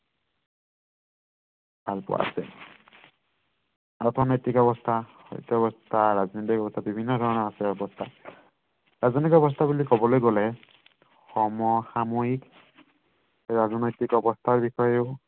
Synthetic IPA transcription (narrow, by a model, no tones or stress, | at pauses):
bʱalpʊ̰a̰a̰sɛ̰l | aɹtʰɔnojtikɔbɔstʰaxɔ̰jtɔbɔstʰaɹaznojtikɔbɔst̪ʰabibʱinːɔdʱɔɹɔnɔasɛɔbɔstʰa | ɹaztikɔbɔs̬tʰabulikɔbɔlojɡɔlɛ | xɔmɔxamojik | ɹazɔnojtikɔbɔstʰaɹbixɔjeʊ